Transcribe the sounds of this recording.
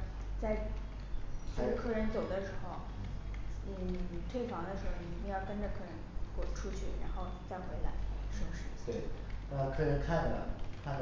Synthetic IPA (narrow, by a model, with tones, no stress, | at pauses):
t͡sa˥˧ɪ | a˥ʈ͡ʂə˥˧kʰɤ˥˩ɻə˧˥nt͡so˨˩ʊd̪ə˦ʂɻ̩˧˥xo˥˩ʊ˥˩ | t̪ʰwe˥˩ɪfɑ˧˥ŋd̪ə˧ʂɻ̩˧˥xo˥˧˩i˨˩i˧˥jɑ˥˩ʊkə˥nʈ͡ʂə˧kʰɤ˥˩ɻə˧˥nkɔ˨˩ʈ͡ʂʰu˥t͡ɕʰy˥˩ɻa˧˥nxo˥˩ʊt͡sa˥˩xwe˧˥ɪla̰˧˥ɪʂɤ˥ŋʂɻ̩˥˩t̪we˥˩ɪa˥˩kʰɤ˥˧ɻə˧˥nkʰa˥˩nd̪ə˨˩ə̰˧kʰa˥˩n